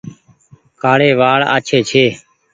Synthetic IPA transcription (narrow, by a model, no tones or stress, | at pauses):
kʰaːɽeːʋaːɭa̰ːt͡ʃʰeːt͡ʃʰeː